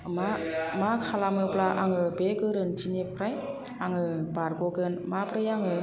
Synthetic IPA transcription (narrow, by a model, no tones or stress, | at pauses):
mamakʰalamɯplaʔa̰ŋɯbekɯɾɯnt͡ʃinepːɾaj | aŋɯbaɾɡoɡɯnmapɾɯjaŋɯ